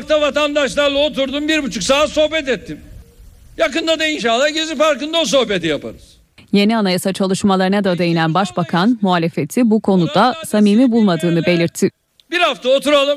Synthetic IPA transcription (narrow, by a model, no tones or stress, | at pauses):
ak̚t̪avat̪and̪aʃlˠaɾlˠaot̪uɾd̪umbiɾbut͡ʃʰu̥ksaːso̞hbɛt̪ɛt̪ʰːim | jakɯnd̪ad̪ainʃalˠaɾɟezifaɾkɯnd̪aos̬o̞hbet̪ijapa̰ɾɯz̥ | je̞nianajasat͡ʃʰalˠɯʃmalˠaɾɯnad̪ad̪e̞jinænbaʃbakʰanmuaːlʲe̞fe̞t̪ʰibukʰo̞nud̪asamiːmibulˠmad̪ɯːnɯbe̞lʲiɾt̪ʰːɪ | b̥iɾhaft̪aot̪ʰuɾalˠɯm